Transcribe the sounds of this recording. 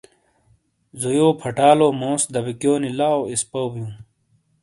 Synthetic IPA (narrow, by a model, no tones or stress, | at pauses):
zojoːpʰɐʈaːloːmõːsd̪ɐbikjoːnilaːoispɐwbjũː